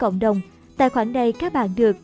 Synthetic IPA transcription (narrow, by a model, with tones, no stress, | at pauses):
kə̰˧˨wŋ͡mɗə˨˩wŋ͡m | t̪a̰ː˧˨jxwaː˧˩ŋɗə˧˩jkaː˦˥k̚ɓa̰ː˧˨nɗɨ˨˩ək̚